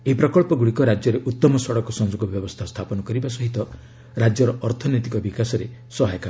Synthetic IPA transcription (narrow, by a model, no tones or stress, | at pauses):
eɦipɾɔkɔɭpɔɡuɽikɔɾad͡ʒjɔɾeʔut̪ːɔmɔsɔɽɔkɔsɔŋd͡ʒoɡɔbjɔbɔst̪ʰast̪ʰapɔnɔkɔɾibasɔɦit̪ɔ | ɾad͡ʒjɔɾɔʔɔɾt̪ʰɔnit̪ikɔbikasɔɾe | sɔɦajka